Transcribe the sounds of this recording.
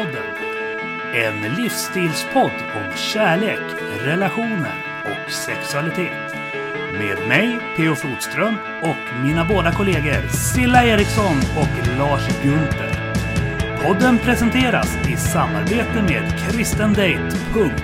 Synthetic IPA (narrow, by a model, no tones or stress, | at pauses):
ɔd̪ːən | ɛnlifst̪ʰiːlspʰɔd̪ːɔmɕæːɭeːk | ɾɛlaɧuːnə̰n | ɔ̰ksɛksɵalɪt̪ʰeːt̪ | meːd̪mɛjpʰeːʊfluːd̪st̪ɾœm | ɔk | miːnaboːd̪akʰʊleːɡəɾsɪlːaeːɾɪksɔnɔklɑːʂɡɵnt̪ə̰ɾ | pʰɔd̪ːənpʰɾɛsɛnt̪ʰeːɾa̰sɪsamːa̰ɾbeːt̪əmeːd̪kʰɾɪst̪ənd̪ɛjt̪pʰɵŋk